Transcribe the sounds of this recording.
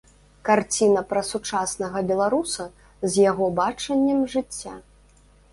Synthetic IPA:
kart͡sʲinɐpɾɐsut͡ʂasnɐɣɐbʲɛlˠaɾusɐ | zʲjaɣɔbat͡ʂɐnʲːɐmʐɨt͡sʲːa

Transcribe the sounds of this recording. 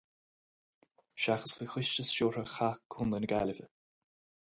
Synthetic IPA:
ʃaxəsvixɪʃt͡ʃəsʃoːɾəxakʰːunənəɡa̰ləvə

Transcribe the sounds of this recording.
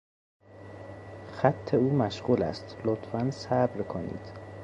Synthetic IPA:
xæt̪ʰːe̞uːmæʃɢuːlæ̰st̪lot̪ʰfænsæbɾkʰonḭːd̪̥

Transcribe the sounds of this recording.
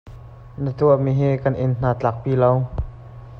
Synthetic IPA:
nat̪umeɦeːkanʔenn̥aːt͡ɬak̚piːlaw

